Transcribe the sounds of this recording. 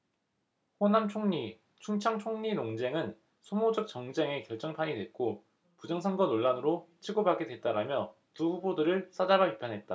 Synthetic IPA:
ɸonamt͡ɕʰoŋɲi | t͡ɕʰuŋt͡ɕʰʌŋt͡ɕʰoŋɲinoŋd͡ʑe̞ŋɯn | sʰomod͡ʑʌk̚t͡ɕʌŋd͡ʑe̞ŋe̞kjʌɭt͡ɕ͈ʌŋpʰaɲidwe̞t̚k͈o | pud͡ʑʌŋsʰʌŋɡʌnoɭːanɯɾot͡ɕʰiɡobaɡe̞dwe̞t̚t͈aɾamjʌ | tuɸubodɯɾɯɭs͈ad͡ʑabapipʰanɦe̞t̚t͈a

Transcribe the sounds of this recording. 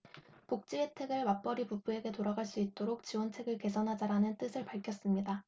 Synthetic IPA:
pok̚t͡ɕ͈ietʰe̞ɡɯɭwap͈ʌɾipub͈ue̞ɡe̞toɾaɡaɭs͈uit̚t͈oɾok̚t͡ɕiwʌnt͡ɕʰe̞ɡɯɭke̞sʰʌnɦad͡ʑaɾanɯnt͈ɯsʰɯɭpaɭkʰjʌs͈ɯmɲida

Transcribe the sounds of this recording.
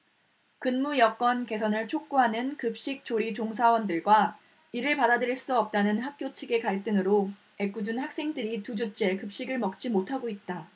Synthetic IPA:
kɯnmujʌk͈wʌnke̞sʰʌnɯɭt͡ɕʰok̚k͈uɦanɯnkɯp̚ɕ͈ik̚t͡ɕ͈oɾit͡ɕoŋs̬ʰawʌndɯɭɡwa | iɾɯɭpadadɯɾiɭs͈uʌp̚t͈anɯnɦak̚k͈jot͡ɕʰiɡe̞kaɭt͈ɯŋɯɾo | e̞k͈ud͡ʑunhak̚s͈e̞ŋdɯɾitud͡ʑut͡ɕ͈e̞kɯp̚ɕ͈iɡɯɭmʌk̚t͡ɕ͈imotʰaɡoit̚t͈a

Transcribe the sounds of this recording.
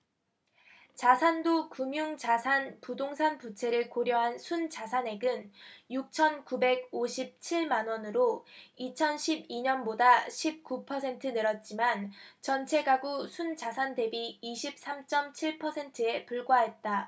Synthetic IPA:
t͡ɕasʰandokumjuŋt͡ɕasʰanpudoŋsʰanput͡ɕʰe̞ɾɯɭkoɾjʌɦansʰunt͡ɕasʰane̞ɡɯnjuk̚t͡ɕʰʌnkube̞ɡ̚oɕʰip̚t͡ɕʰiɭmanwʌnɯɾoit͡ɕʰʌnɕʰibiɲʌnbodaɕʰip̚k͈upʰʌsʰe̞ntʰɯnɯɾʌt̚t͡ɕ͈imant͡ɕʌnt͡ɕʰe̞ɡaɡusʰunt͡ɕasʰande̞biːɕʰip̚s͈amt͡ɕ͈ʌmt͡ɕʰiɭpʰʌsʰe̞ntʰɯe̞puɭɡwaɦe̞t̚t͈a

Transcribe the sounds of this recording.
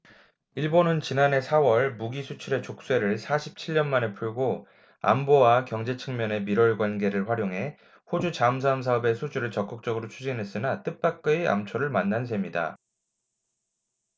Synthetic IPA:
iɭbonɯnt͡ɕinane̞sʰawʌɭmuɡisʰut͡ɕʰuɾe̞t͡ɕok̚s͈we̞ɾɯɭsʰaɕʰip̚t͡ɕʰiʎːʌnmane̞pʰuɭɡo | a̰mbowakjʌŋd͡ʑe̞t͡ɕʰɯŋmjʌne̞miɾʌɭɡwanɡe̞ɾɯɭɸwaɾjoŋɦe̞ | hod͡ʑut͡ɕaɯms̬ʰaɯms̬ʰaʌbe̞sʰud͡ʑuɾɯɭt͡ɕʌk͈ɯk̚t͡ɕ͈ʌɡɯɾot͡ɕʰud͡ʑinɦe̞s͈ɯnat͈ɯp͈ak̚k͈ɯia̰mt͡ɕʰoɾɯɭmanːans̬ʰe̞mɲida̰

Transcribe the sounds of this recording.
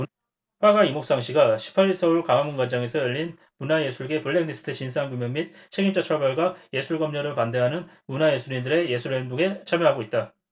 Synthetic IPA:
ɸwaɡaimok̚s͈aŋɕʰiɡaɕʰi̥pʰaɾiɭsʰʌuɭkaŋamunɡand͡ʑaŋe̞sʰʌjʌʎːin | munaje̞sʰuɭɡe̞puɭːeŋnisʰɯ̥tʰɯt͡ɕinsʰaanɡumjʌŋmit̚t͡ɕʰe̞ɡimt͡ɕ͈at͡ɕʰʌɭbaɭɡwaje̞sʰuɭɡʌmɲʌɾɯɭpande̞ɦanɯnmunaje̞sʰuɾindɯɾe̞je̞sʰuɭendoɡe̞t͡ɕʰamjʌɦaɡoit̚t͈a

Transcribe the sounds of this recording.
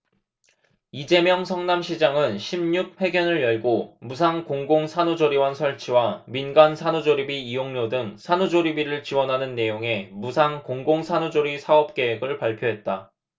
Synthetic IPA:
id͡ʑe̞mjʌŋsʰʌŋnamɕʰid͡ʑaŋɯnɕʰimɲuk̚ɸe̞ɡjʌnɯɭjʌɭɡomus̬ʰaŋkoŋɡoŋsʰanud͡ʑoɾiwansʰʌɭt͡ɕʰiwaminɡansʰanud͡ʑoɾibiːjoŋɲodɯŋsʰanud͡ʑoɾibiɾɯɭt͡ɕiwʌnɦanɯnːe̞joŋe̞musʰaŋkoŋɡoŋsʰanud͡ʑoɾisʰaʌp̚k͈e̞ɦeɡɯɭpaɭpʰjoɦe̞t̚t͈a

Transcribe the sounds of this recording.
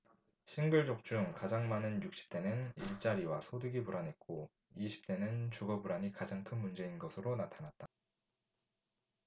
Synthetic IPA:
ɕʰinɡɯɭd͡ʑok̚t͡ɕ͈uŋkad͡ʑaŋmanɯnjuk̚ɕ͈i̥p̚t͈e̞nɯniɭt͡ɕ͈aɾiwasʰodɯɡipuɾanɦe̞t̚k͈o | iɕʰi̥p̚t͈e̞nɯnt͡ɕuɡʌbuɾaɲikad͡ʑaŋkʰɯnmund͡ʑe̞inɡʌsʰɯɾonatʰanat̚t͈a

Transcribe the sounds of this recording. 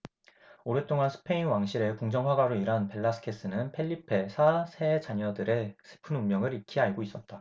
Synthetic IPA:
oɾet͈oŋansʰɯ̥pʰe̞inwaŋɕʰiɾe̞koŋd͡ʑʌŋwaɡwaɾoiɾanpe̞ɭːasʰɯ̥kʰe̞s͈ɯnɯnpʰe̞ʎːipʰe̞sʰasʰet͡ɕaɲʌdɯɾe̞sʰɯ̥pʰɯnumjʌŋɯɾikʰiaɭɡois͈ʌt̚t͈a

